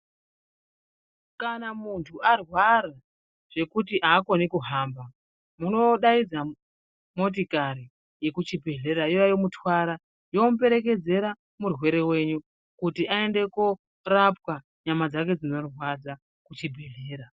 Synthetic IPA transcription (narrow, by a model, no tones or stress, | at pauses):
kanamuntʰuarwaɾa | ʐ̥e̞kutiʔaːko̞nikuɦaːmba | muno̞ɗaid͡za | mo̞t̬ikaɾi | je̞kut͡ʃibʱe̞ɮe̞ɾaijajomutwaɾa | jo̞mupe̞ɾe̞ke̞d͡ze̞ɾa | murwe̞ɾe̞we̞ɲu | kutiae̞nde̞ko | rap̚wa | ɲamad͡zake̞d͡zino̞rwad͡za | kut͡ʃibʱe̞ɮe̞ːɾa